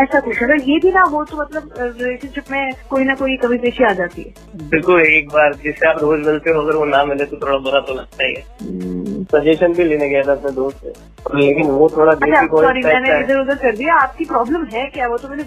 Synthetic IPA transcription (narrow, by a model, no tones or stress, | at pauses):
ɛːsakʊʃɐɡəɾjebʱinɐʋot̪omɐt̪ləbɾɪleːʃənʃɪpmẽkoːinɐkoːikɐbʱipeːʃiaːd͡ʒaːt̪iɦɛːbɪlkʊleeːk̚baːɾd͡ʒɪsːeaːp̚d̪ʱoːd͡ʒmɪlt̪eɦoɐɡəɾʋonamɪlẽt̪ot̪ʰoːɽabɐɾat̪olɐɡ̚t̪aːɦḭɛ̰ː | sɐd͡ʒeːʃənbʱileːneɡejad̪aɐpned̪oːst̪ḛ | leːkɪnʋot̪ʰoːɽad̪ɐt͡ʃʰaikoɔːɾiamɛːneaɪd̪əɾʊzəɾkɐɾd̪ijaaːp̚kipɾɔːbləmɦɛkjaːʋot̪omɛːne